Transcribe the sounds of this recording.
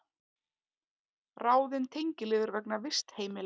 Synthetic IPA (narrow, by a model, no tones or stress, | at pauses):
raːwðɪnt̪ʰejɲcɪlɪːɣɪɾvɛknavɪst̪heːjmɪl